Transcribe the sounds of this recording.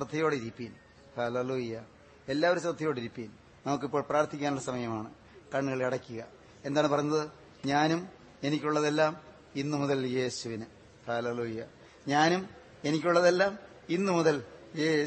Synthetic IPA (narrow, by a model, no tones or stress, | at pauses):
rɐt̪ʰːɐjo̞ːɽeiɾipːin | hɐleluːjɐ | e̞lːaːʋɐɾusrɐt̪ːɐjo̞ːɽiɾipːin | nɐmuk̬ːipːoːɭpraːrt̪ʰikʲːaːnuɭːɐsɐmɐjɐmaːɳɨ | kɐɳːɣɐɭkɐɽɐkʲːuɣɐ | e̞nd̪aːɳɨpɐrɐjuɲnɐðɨ | ɲaːnum | e̞nikʲːuɭːɐðe̞lːaːm | inːɨmuðɐlje̞ːsuʋinɨ | hɐleluːjɐ | ɲaːnum | e̞nikʲːuɭːɐðe̞lːaːm | inːɨmuðɐljeː